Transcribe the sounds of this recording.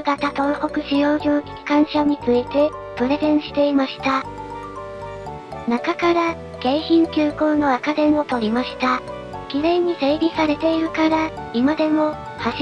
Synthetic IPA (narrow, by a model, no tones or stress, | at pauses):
ɯɡat̪at̪o̞ːho̞kɯ̟ɕijo̞ːʑoːkʲi̥kʲi̥kãɰ̃ɕaɲ̟it͡sɨit̪e̞ | pɯ̟ɾe̞zẽ̞ɰ̃ɕi̥t̪e̞imaɕi̥t̪a | nakakaɾa | ɡ̥e̞ːçĩŋkʲɨːko̞ːno̞akad̪ẽ̞ɰ̃o̞t̪o̞ɾʲimaɕi̥t̪a | kʲiɾẽ̞ɲ̟ːise̞ːbʲisaɾe̞t̪e̞iɾɯ̟kaɾa | imad̪e̞mo̞ | haɕ